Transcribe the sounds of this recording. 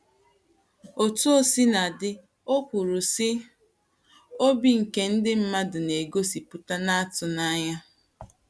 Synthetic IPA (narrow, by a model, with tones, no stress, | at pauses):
o˨tu˦o˦si˦na˨dɪ˦ | o˦kʷu˨ɾu˨sɪ˦ | o˦bi˦ŋ̩˨ke˦n̩˦dɪ˦m̩˦ma˦dʊ˨ne˨ɡo˦si˨pʊ˦ta˦na˦a˦tʊ˨na˦ɲa˦